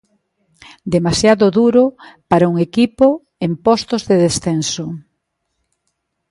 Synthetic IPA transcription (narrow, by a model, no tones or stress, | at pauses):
d̪emasjaðʊðuɾʊpaɾauŋekipo | empɔst̪ozðeðesθenso